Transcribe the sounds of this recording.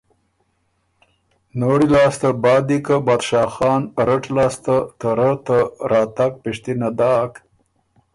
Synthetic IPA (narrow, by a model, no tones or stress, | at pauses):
noɽilɑːst̪abɑːd̪ikabɑːd̪ʃɑːxɑːnɾəʈlɑːst̪at̪əɾət̪əɾɑːt̪ak̚piʂt̪inad̪ɑːk